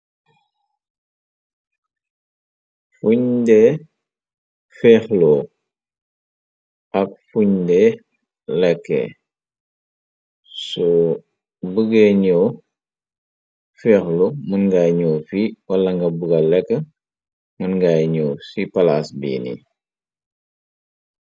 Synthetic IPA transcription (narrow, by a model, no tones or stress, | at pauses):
fuɲdɛ | fɛːxlɔ | ʔɐk̚fuɲdɛ | lɛkːɛ̰ | sɔ | bəɡɛɲɔ | fɛːxlɔmunɡajɲɔːfiwɐlɐŋɡɐbuɡɐlɛkːə | mənɡajɲɔːsipɐlasbḭːnḭ